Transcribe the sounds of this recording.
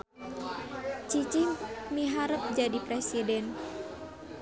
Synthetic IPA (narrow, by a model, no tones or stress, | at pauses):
t͡ʃit͡ʃimiɦaɾəp̚d͡ʒadipɾesidɛn